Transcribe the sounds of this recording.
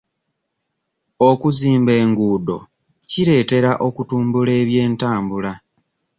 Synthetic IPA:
okuziːmbe̞ːŋɡuːdo̞̰ | ciɾe̞ːte̞ɾaʔo̞kutuːmbule̞ːβje̞ːntaːmbula

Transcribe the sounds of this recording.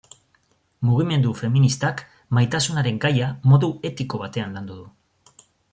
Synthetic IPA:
muɣ̞ime̞nd̪ufe̞minist̪ak | majt̪asunaɾe̞ŋɡajamo̞ðue̞t̪iko̞βat̪e̞anland̪uðu

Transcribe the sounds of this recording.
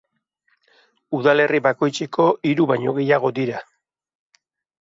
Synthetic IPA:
uðale̞riβako̞jt͡sekʰo̞iɾuβajɲo̞ɣe̞jaɣ̞o̞d̪iɾa

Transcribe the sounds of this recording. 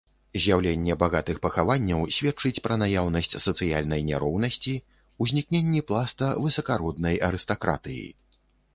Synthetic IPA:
zʲjawlʲenʲːɛbaɣat̪ɨxpɐxavanʲːɐwsʲvʲɛt̚t͡ʂɨt͡sʲpɾɐnajawn̪ɐsʲt͡sʲsɐt̪sɨjalʲnɐjnʲaɾɔwnɐsʲt͡sʲi | uzʲnʲik̚nʲenʲːiplˠast̪ɐvɨsɐkaɾɔd̪nɐjɐɾɨst̪akɾa̰t̪ɨjḭ

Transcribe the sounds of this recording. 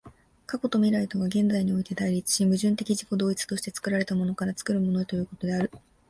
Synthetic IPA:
kako̞t̪o̞mʲiɾait̪o̞ɡaɡẽ̞nd͡zaiɲ̟io̞it̪e̞d̪aiɾʲit͡sɨ̥ɕimɯ̟ʑɨ̃nt̪e̞kʲiʑiko̞d̪o̞ːit͡sɨ̥t̪o̞ɕi̥t̪e̞t͡sɨ̥kɯ̟ɾaɾe̞t̪amo̞no̞kaɾat͡sɨ̥kɯ̟ɾɯ̟mo̞no̞et̪o̞jɯ̟ːko̞t̪o̞d̪e̞aɾɯ̟

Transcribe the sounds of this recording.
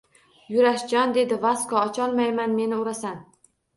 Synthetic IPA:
jʊɾaʃd͡ʒɒnd̪e̞d̪ɪvaskɒːt͡ʃʰɒlˠmajmanme̞nɪʊɾasan

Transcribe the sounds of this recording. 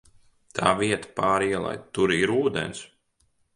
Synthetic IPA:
t̪ʰaːviɛt̪ḁpaːɾiɛlˠa̰j̪t̪uɾiɾuːd̪ḛns

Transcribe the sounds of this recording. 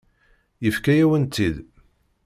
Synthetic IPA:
jəfkæjæwənt̪ːið

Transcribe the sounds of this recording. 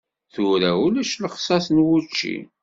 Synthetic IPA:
θʊɾæulæʃləχsˤɑsənwut͡ʃːḭ

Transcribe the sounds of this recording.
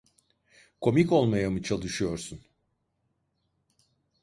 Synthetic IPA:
kʰo̞miko̞lˠmajamɯt͡ʃʰalˠɯʃɯjo̞ɾsun

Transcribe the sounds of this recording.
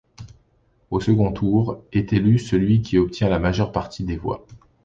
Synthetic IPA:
osəɡɔ̃t̪ʰuʁɛt̪elysəlɥikʲʰiɔp̚t̪jɛ̃lamaʒœʁpaʁt̪ʰid̪evwa̰

